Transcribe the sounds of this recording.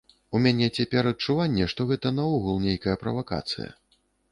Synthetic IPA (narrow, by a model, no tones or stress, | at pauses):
umʲanʲɛt͡sʲapʲɛɾɐt͡ʂːuvanʲːɛʂt̪ɔɣɛt̪ɐnɐuɣulˠnʲejkɐjɐpɾɐ̰vaka̰t̪sɨ̰jɐ̰